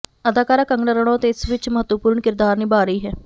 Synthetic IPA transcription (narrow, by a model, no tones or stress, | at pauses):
əd̪aːkaːɾaːkəŋɡnəɾəɳõːt̪eːɪsʋɪt͡ʃməɦət̪ʋəpuːɾɳkɪɾd̪aːɾniːbaːɾəiːɦɛː